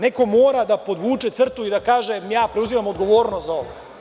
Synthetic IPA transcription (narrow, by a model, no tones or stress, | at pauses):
ne̞ko̞moːɾad̪apo̞d̪ʋuːt͡ʃe̞t̪sr̩t̪uid̪akaːʒejaːpɾeuziʋamo̞d̪ɡo̞ʋo̞ːɾnost̪zao̞ʋo